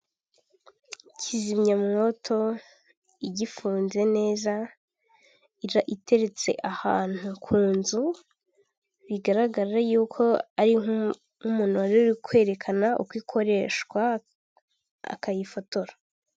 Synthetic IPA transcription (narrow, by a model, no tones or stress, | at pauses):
cʰizimɲamŋo̞tʰo̞ | iɟifuːnze̞ne̞ːza | iɾaʔitʰe̞ɾe̞t͡se̞̰ʔahaːn̥hukʰuːnzu | βiɡaɾaɡaɾajuːkʰo̞aɾiŋ | umuːn̥uaɾiɾikʰwe̞ːɾe̞kʰanaʔṵkwiːkʰo̞ɾe̞ʃɡwa | a̰kajifo̞to̞ɾa